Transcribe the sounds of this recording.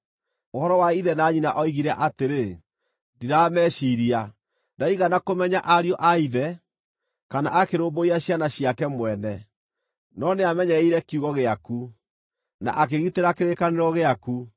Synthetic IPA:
ohɔɾɔwaiðɛnaːɲinaʔɔiɣiɾɛʔateɾe | diɾamɛːɕiɾia | ndaiɣanakomɛɲaʔaɾjɔʔaiðɛ | kanaʔakeɾoːmboiaɕjanaɕijakɛmwɛnɛ | nɔneamɛɲɛiɾɛkjuɣɔɣeaku | na̰ʔak̬eɣiteɾakeɾekaneɾɔɣeaku

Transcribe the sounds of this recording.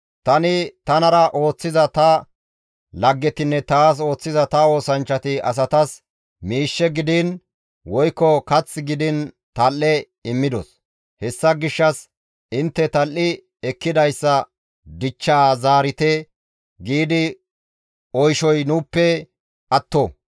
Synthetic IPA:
t̪ɐnɪt̪ɐnɐɾɐʔo̞ːt͡sːɪzɐt̪ɐ | lɐɡːɛt̪ɪnːɛt̪aːs̬o̞ːt͡sːɪzɐt̪ɐo̞ːsɐnt͡ʃːɐt̪ɪɐ̰s̬ɐt̪ɐs | miːʃːɛɡɪd̪ɪn | wɔjkːɔkɐt͡sːɪɡɪd̪ɪn | t̪ɐlːɛ | ɪmːɪd̪ɔ̰s | hɛsːɐɡɪʃːɐs | ɪnt̪ːɛt̪ɐlʔːɪ | ɛkːɪd̪ɐjsːɐ | d̪ɪt͡ʃːaːzaːɾɪt̪ɛ | ɡiːd̪ɪ | ɔjʃɔjnuːpːɛ | ɐt̪ːo

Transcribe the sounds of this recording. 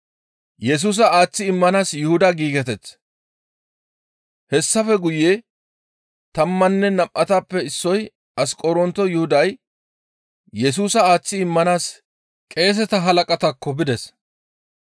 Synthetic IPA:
jɛs̬uːs̬ɐaːt͡sːɪɪmːɐnaːsjʊhʊd̪aɡiːɡɛt̪̬ɛt͡sː | hɛsːɐfɛɡʊjeː | t̪ɐmːɐnːɛnɐpʼʔɐt̪aːpːɛɪsːɔj | ɐskʼɔɾɔnt̪ɔjʊhʊd̪ɐj | jɛs̬uːsɐaːt͡sːɪɪmːɐnaːs | kʼe̞ːs̬ɛt̪ɐɦɐlɐkʼɐt̪ɐkːɔbɪd̪ɛs

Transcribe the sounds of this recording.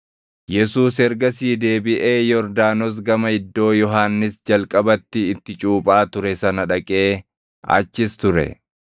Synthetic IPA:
jɛsuːs̬ɛɾɡɐsiːd̪e̞ːbɪʔeːjɔɾd̪aːnɔs̬ɡɐmɐɪd̪ːo̞ːjɔɦaːnːɪsd͡ʒɐlkʼɐbɐt̪ːɪːt̪ːɪt͡ʃʼuːpʼaːt̪ʊɾɛsɐnɐᶑɐkʼe̞ː | ɐ̰t͡ʃːɪst̪ʊɾɛ̰

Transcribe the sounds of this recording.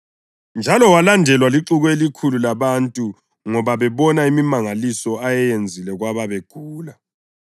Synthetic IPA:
nd͡ʒʱalɔwalandʱɛlwaliǁuɣɔelikʰululaβantʼu | ŋɔβaβɛβɔnaimimaŋalisɔajɛjend͡zʱilɛɣwaβaβeɡ̥ʱuːla

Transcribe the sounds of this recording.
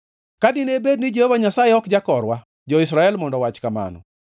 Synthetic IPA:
kadɪnebednɪd͡ʒehovaɲasajeɔkd͡ʒakɔɾwa | d͡ʒɔɪsɾaɛlmɔndɔwat͡ʃkama̰nɔ̰

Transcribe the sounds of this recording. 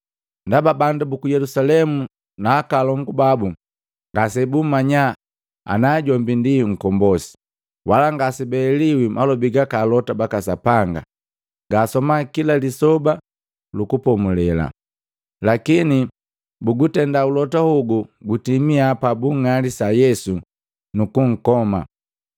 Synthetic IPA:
ndababandabukujɛlusalɛmu | naːkalɔŋɡubabu | ŋɡasɛbumaɲa | a̰naːɟɔmbindiŋ̩kɔmbɔsi̥ | walaŋɡasɛbɛːliwimʔalɔbiɡakaːlɔtabakasapaŋɡa̰ | ɡaːsɔmakilalisɔba | lukupɔmulɛla̰ | lakini | buɡutɛndaulɔtahuɡuɡutimiapabuŋalisajɛsu | nukuŋ̩kɔma̰

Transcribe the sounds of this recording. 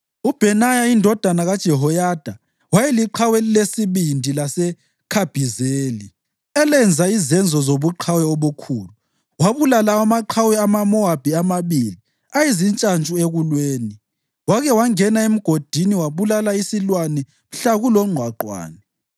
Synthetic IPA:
ub̥ʱɛnajaindʱɔd̥ʱanaɣad̥ʒ̥ʱɛɦɔjad̥ʱa | wajɛliǃʰawɛlesiβindʱilasɛ | kʰab̥ʱizeːli | ɛlɛnd͡zʱaizɛnd͡zʱɔzoβuǃʰawɛɔβukʰuːlu | waβulalaamaǃʰawɛamamɔab̥ʱiamaβiːli | aizint͡ʃʼant͡ʃʼueɣulweːni | waɣɛwaŋɛnaem̩ɡ̥ʱod̥ʱiniwaβulalaisilwanɛ | m̩ɬaɣulɔŋ͡ǃʱwaǃwa̰ːnɛ

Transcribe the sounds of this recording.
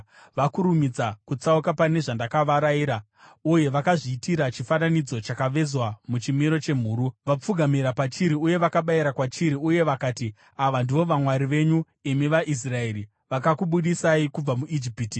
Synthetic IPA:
ʋakuɾumid͡zakut͡saukapane̞ʐandakaʋaɾaiːɾa | uje̞ʋakaʐiːtiɾat͡ʃifananid͡zo̞t͡ʃakaʋe̞zwamut͡ʃimiɾo̞t͡ʃe̞m̤uːɾuʋap͡fuɡʱamiɾapat͡ʃiɾiuje̞ʋakaɓaiɾakwat͡ʃiɾiuje̞ʋakaːti | aʋandiʋo̞ʋamwaɾiʋe̞ɲu | imiʋaʔis̬rae̞ɾi | ʋakakuɓuɗisaikub͡vamuʔid͡ʒipiːti

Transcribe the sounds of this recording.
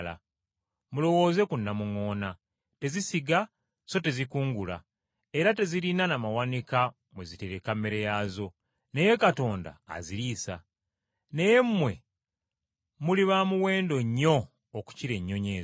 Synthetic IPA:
la̰ | mulo̞wo̞ːze̞kunːamuŋo̞ːna | te̞zisiɡa | so̞te̞zikuːŋɡula̰ | e̞ɾate̞zilinanamawanika | mwe̞zite̞ɾekamːeɾejaːzo̞ | ne̞je̞kato̞ːnda̰ːziɾiːsa̰ | ne̞je̞mːwe̞ | muliβamuwe̞ːndo̞ɲːo̞ː | ku̥ciɾe̞ɲːo̞ɲe̞ː

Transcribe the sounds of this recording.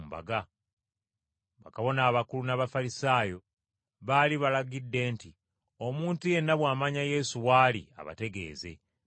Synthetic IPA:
mba̰ɡa | βakaβo̞naːβakulunaβafaɾisaːjo̞ | βaliβalaɡidːe̞ːnti | o̞muːntuje̞nːaβwaːmaɲaje̞ːsuwaːlḭa̰βa̰te̞ɡe̞̰ːze̞̰

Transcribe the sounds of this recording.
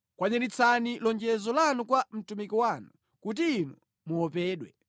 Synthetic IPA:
kwaɲɛɾit͡sʰanilɔnd͡ʒɛzɔlanukwam̩tumikiwanu | kut̬iːnu | muɔpɛːɗwɛ

